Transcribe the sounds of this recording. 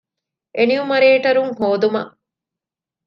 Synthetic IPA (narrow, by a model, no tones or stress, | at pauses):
ʔeniumɐɾeːʈɐɾuŋɦoːd̪umɐ̰ʔ